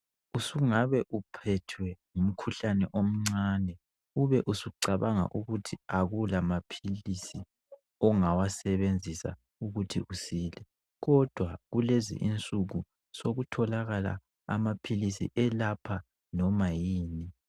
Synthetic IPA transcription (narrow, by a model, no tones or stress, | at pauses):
usuŋaβɛʔupʰɛtʰwɛŋum̩kʰuɬanɛʔom̩ŋ͡ǀaːnɛ | uβɛʔusuǀaβaŋa̰ʔuɣutʰiaɣulamapʰilisi | ɔŋawasɛβend͡zʱisa̰ | uɣutʰiʔusiːlɛ | ɣɔd̥ʱwaɣulezḭʔint͡sʼuɣu | soɣutʰɔlaɣala̰ | a̰mapʰilisḭʔɛlapʰa | nɔmajiːni